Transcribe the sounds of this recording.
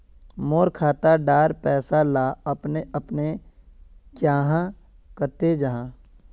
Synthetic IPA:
moːɾkʰaːt̪aɖaːɾpɛːsalaːɐpneʔɐpne | kjaːɦã | kət̪ed͡ʒaɦãː

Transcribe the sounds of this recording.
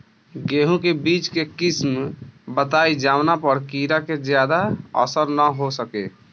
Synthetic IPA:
ɡeɦũkebit͡ʃkekismbət̪ajd͡ʒawnapəɾkiɾaked͡ʒjad̪aə̰səɾnəɦosəke

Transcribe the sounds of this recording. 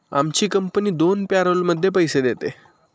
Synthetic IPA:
a̰mt͡ɕiːkəmpəniːd̪onpaɾəlməd̪ʱːjepəjsed̪et̪e

